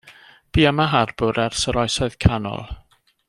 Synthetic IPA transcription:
b̥iːamaɦarbʊɾɛrsəɾɔjsɔɨð̥kʰanɔ̰lˠ

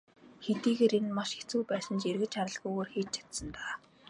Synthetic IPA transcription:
xet̪iːɣeːɾenmaʃet͡sujpæːsə̆nt͡ɕerɣɘ̆t͡ɕʰaɾə̆ɮɣujɣoːrxeːt͡ɕ̚t͡ɕʰḁt̪sə̆nt̪aː

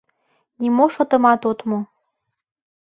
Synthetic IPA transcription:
nimoʃŏt̪ɤ̆mɑt̪ot̪mo

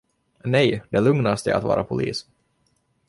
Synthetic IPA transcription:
nɛjd̪ɛlɵŋnast̪ɪ̰a̰t̪vɑ̰ːɾʔapʰʊlḭːs

